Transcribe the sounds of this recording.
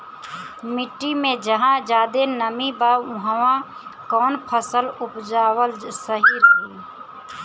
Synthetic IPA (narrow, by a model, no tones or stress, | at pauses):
mɪʈːimẽd͡ʒəɦãd͡ʒaːd̪enəmibaʊɦʋã | kɔːnpʰəsəlʊpd͡ʒaːwəlsəɦiɾɦiː